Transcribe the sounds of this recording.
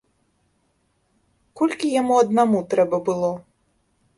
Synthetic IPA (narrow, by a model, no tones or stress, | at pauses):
kɔlʲkʲijamuɐd̪namut̪ɾɛbɐbɨlˠɔ